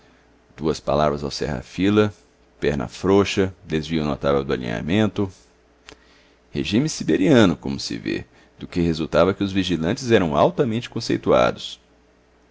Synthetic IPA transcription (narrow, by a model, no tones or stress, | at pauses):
d̪̥uɐspa̰lavɾɐzawsɛ̰ɦa̰filɐ | pɛɾnɐ̰fɾoʃɐd̪ezviʊnot̪avɛwd̪ʊa̰lḭ̃ɲa̰mẽnt̪ʊ | hḛʒĩmɪsibeɾiɐ̃nʊkõ̰mʊsɪ̰vḛ | d̪̥ʊkɪɦezuwt̪avɐkɪʊzviʒilɐ̃nt͡ʃɪzɛɾɐ̃w̃awt̪ɐmẽnt͡ʃɪ̥kõsejt̪ua̰d̪ʊs